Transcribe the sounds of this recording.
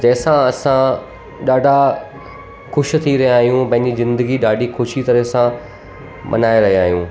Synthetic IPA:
d͡ʑɐːsãɐsã | ɗaːɖʱa | xʊʃ̆t̪ʰiɾɐɦijaːɦijũpɐ̃ɦɪɲd͡ʑizɪ̃nd̪əɡiɗaːɖʱixʊʃit̪ɐɾesã | mʔɐ̰naːeɾɐɦiaːɦijũː

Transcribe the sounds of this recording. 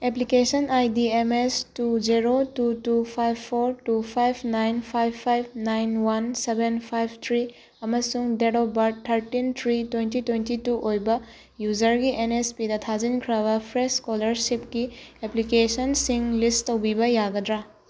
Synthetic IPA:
eplikesɐnajdiemestud͡ʒeɾotutupʰajbʰoɾtupʰajbʰnajnpʰajbʰajb̚ʰnajnwɐnsebenpʰajb̚ʰt̪ʰɾi | ɐmɐsuŋdeɽobɐɾtʰːɐɾtint̪ʰɾitwentitwentituʔojbɐ | juzɐɾɡiʔenespidɐtʰazinkʰɾɐbɐpʰɾesskolɐɾsip̚kieplikesɐnsiŋlistowbibɐjaɡɐdɾa

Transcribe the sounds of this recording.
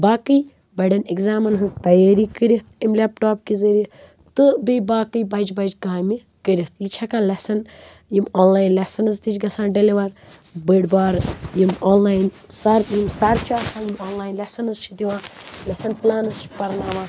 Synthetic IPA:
baːkɨj | bɐɖɐnikzaːmɐnɦɨzt̪ɐjaːɾikəɾiht̪̚imlepʈoːpkizəɾi | t̪ɨbejbaːkɨjbɐd͡ʒbɐd͡ʒɡaːmi | kəɾiht̪jit͡ʃʰɐkaːlɐsɐn | jimoːnlaːjnlɐsɐnɐzt̪it͡ʃʲɡɐsãːɖɐliʋɐɾ | bəɖbaːɾjimoːnlaːjn | sɐɾjimsaɾt͡ʃaːsʰãːjimoːnlaːjnlɐsɐnɨzt͡ʃʰid̪iʋwãːlɐsɐnplaːnɨzt͡ʃʰi̥pɐɾnaːʋaː

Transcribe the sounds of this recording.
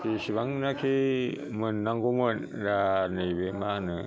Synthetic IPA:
kisiβaŋnaki | mənːaŋɡumən | ɾanibemanə

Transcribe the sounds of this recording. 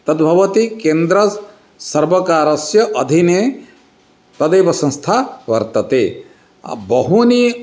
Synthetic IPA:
t̪ɐt̪̚bʱɐʋɐt̪ikend̪ɾɐ | sɐɾbɐkaːɾɐsjɐʔɐd̪ʱine | t̪ɐd̪eːbɐsɐ̃ŋst̪ʰaʋɐɾt̪ɐt̪e | bɐɦuni

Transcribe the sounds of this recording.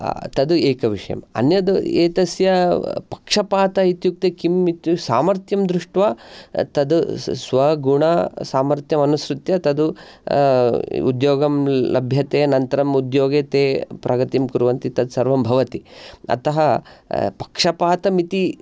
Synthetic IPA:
t̪ɐd̪ueːkɐʋiʂɐjɐ̰mɐ̰njɐd̪ḛːt̪ɐsjɐpɐ̥kʂɐpaːt̪ɐit̪juk̚t̪ekimit̪jusaːmɐɾt̪jɐmd̪ɾuʂʈʋaːt̪ɐd̪usʋɐɡuɳɐsaːmɐɾt̪jɐmɐnusɾut̪jɐt̪ɐd̪u | ṵd̪joːɡɐmlɐbʱjɐt̪eːnɐnt̪ɐɾɐmud̪joːɡet̪eːpɾʔɐɡɐt̪imkuɾuʋɐnt̪it̪ɐd̪sɐɾʋɐmbʱɐʋɐt̪iɐ̰t̪ɐɦɐpɐ̥kʂɐpaːt̪ɐmit̪i

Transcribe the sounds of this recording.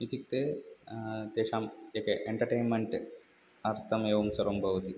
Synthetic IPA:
it̪ik̚t̪e | t̪eːʂaːmeːkeʔeɳʈɐɾʈeːnmeɳʈ | ɐɾt̪ʰɐmeːʋɐmsɐɾombʱɐʋɐt̪i

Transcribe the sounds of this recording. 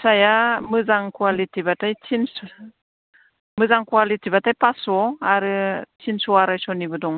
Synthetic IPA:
sajamɯzaŋkwalitibatajt͡ʃʰins | mɯzaŋkwalitibatajpasɔaɾɯt͡ʃinsɔaɾajsɔnibɯdɔŋ

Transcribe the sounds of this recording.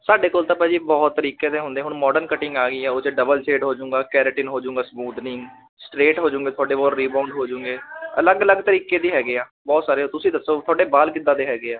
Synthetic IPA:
saːɖeːkoːlt̪ãːpɛːd͡ʒiːbɔːt̪ːəɾiːkeːt̪ẽːɦʊ̃nd̪ẽɛ̃ːɦʊɳmɔːɖəɾnkəʈɪŋɡaːɡiːɛːot͡ʃɖəbəlseːʈɦoːd͡ʒʊũːŋɡaːkɛːɾəʈɪːnɦoːd͡ʒʊ̃ːŋɡaːsmuːd̪nɪŋɡ | sʈɾeːʈɦoːd͡ʒʊ̃ːŋɡeːt̪ʰʊaːɖeːbɔːlɾiːbãːʊɳɖɦoːd͡ʒʊ̃ːŋɡeːələɡələɡt̪əɾiːkeːd̪iːɦɛːɡeːaːbɔːt̪saːɾeːt̪ʊsĩːd̪əsːoːt̪ʰʊaːɖeːbaːlkɪd̪aːd̪eːɦɛːɡeːaː

